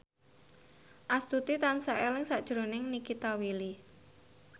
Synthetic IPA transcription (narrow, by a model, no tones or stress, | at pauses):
ʔast̪ut̪it̪ansaʔelɪŋsaʔd̥ʒ̥ɾonɪŋnikit̪awili